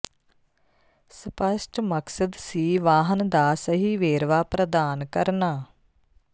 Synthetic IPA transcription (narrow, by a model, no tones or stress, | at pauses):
spəsʈməksəd̪siːʋaːɦənd̪aːsəɦiːʋeːɾʋaːpɾəd̪aːnkəɾnaː